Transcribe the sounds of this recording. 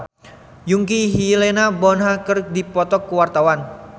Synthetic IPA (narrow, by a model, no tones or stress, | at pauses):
juŋkiɦilenabɔnɦakərdipɔt̪ɔkːuwart̪awan